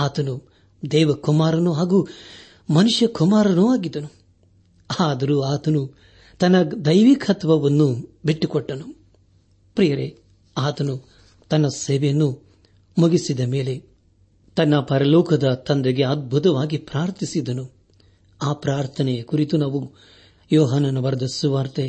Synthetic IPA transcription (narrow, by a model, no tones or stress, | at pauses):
aːt̪ɐnu | d̪ɛːʋɐkumaːɾɐnuɦaːɡuː | mɐnuʂjɐkumaːɾɐnuaːɡid̪ɐnu | aːd̪ɐɾuːaːt̪ɐnu | t̪ɐnːɐd̪ɐjʋikʰɐt̪ʋɐʋɐnːubiʈːukɔʈːɐnu | pɾijɐɾe | aːt̪ɐnu | t̪ɐnːɐseːʋejnːu | muɡisid̪ɐme̞ːle̞ | t̪ɐnːɐpɐɾɐlɔːkʰɐd̪ɐt̪ɐnd̪eɡe̞ɐd̪̚bʱut̪̬ɐʋaːɡipɾaːɾt̪ʰisid̪ɐnu | aːpɾaːɾt̪ʰɐnɛjɐkuɾit̪unaːʋu | jɔːɦɐnːɐnɐʋɐɾd̪ʱisuʋaːɾt̪e